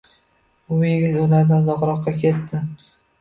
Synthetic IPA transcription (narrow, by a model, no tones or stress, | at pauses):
ʊjeɡʲɪt̪ʊlaɾd̪azɒqɾɒqːɑkʲʰe̞t̪ʰːɪ